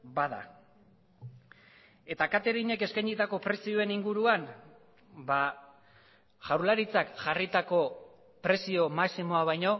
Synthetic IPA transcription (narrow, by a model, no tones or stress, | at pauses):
baða̰ | e̞t̪akat̪e̞ɾiɲe̞ke̞skajnit̪ako̞pɾe̞sio̞e̞niŋɡuɾuan | ba | ʝawɾlaɾit͡sakʝarit̪ako̞ | pɾe̞sio̞maksimo̞aβajɲo̞